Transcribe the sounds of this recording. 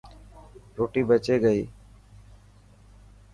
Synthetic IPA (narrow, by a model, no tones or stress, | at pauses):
ɾoːʈiːbet͡ʃeːɡəiː